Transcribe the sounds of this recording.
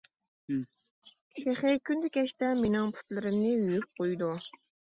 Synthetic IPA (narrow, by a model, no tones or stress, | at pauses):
ʃeχɪkʲʰynd̪ɪkʲʰɛʃt̪ɛmenɪŋpʰy̥t̪lɪɾɪmnɪyjyp̚qʰojd̪u